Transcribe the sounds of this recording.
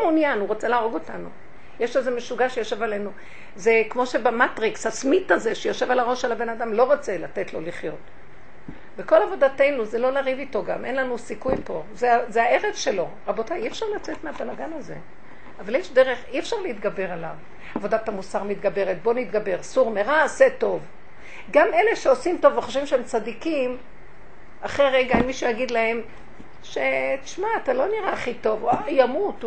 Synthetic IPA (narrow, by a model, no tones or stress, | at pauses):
munjanuʁot͡selaːʁoɡo̞tanṵ | jeʃlezemeʃuɡaʃejoʃe̞valenu | zekmo̞ʃebamatʁikshasmitazeʃejoʃevalaʁo̞ʃelhabe̞nadamlo̞ʁot͡selate̞tlo̞liχjo̞t | beko̞lavo̞date̞jnuzelo̞laʁivito̞ɡamʔe̞nlanusikujpo̞zeazeaeʁevʃe̞lo̞ | ʁabo̞tajieɛfʃaʁlat͡setmeabalaɡanaze̞̰ | avaljeʃdeʁeχiefʃaʁleit̪ɡabe̞ʁala̰v | avodat̪amusaʁmit̪ɡabe̞ʁet̪̚bonit̪ɡabe̞ʁsuʁmeʁaset̪o̞v | ɡameleʃeosimt̪o̞vveχoʃvimʃeemt͡sadikim | aχeʁeɡaenmiʃujaɡid̪lahe̞m | ʃetiʃmaːt̪alo̞niʁaχit̪o̞vajamut